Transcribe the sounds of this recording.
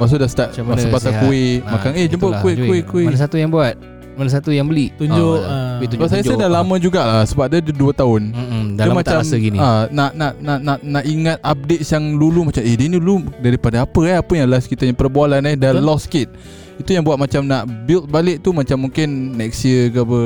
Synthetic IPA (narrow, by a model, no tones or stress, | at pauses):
bas̬odast̪aʔasapasakuɪʔʔmakanehd͡ʒəmpəkuɪkuʔkuɪasat̪ujaŋbuat̪̚ | manas̬at̪ujaŋbəliʔt̪uɲd͡ʒoʔ̪ubasajaədalamə̃d͡ʒuɡaʔlasəbap̚dadəduət̪aʊn̩daamat͡ʃamɡinianaʔnaʔnaʔnaʔnaʔiŋat̪̚ap̚det̪̚sjaŋlulumat͡ʃamehdiniludaɾipadaapəɛapəjaŋlaskit̪aɲapərbualanɛdalɔskɪt̪̚ | it̪ujaŋbuat̪̚mat͡ʃamnaʔbɪlt̪̚balɪʔ̚t̪umat͡ʃamːuŋkɪnːɛk̚siəkəabə